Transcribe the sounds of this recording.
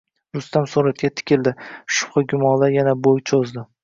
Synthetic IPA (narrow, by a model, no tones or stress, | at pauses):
ɾʊst̪amsuɾat̪̚kʲat̪ʰɪ̥kʲɪld̪ɪʃʊ̥pχɑɡʲʊmɒnlajanabojt͡ʃʰozd̪ɪ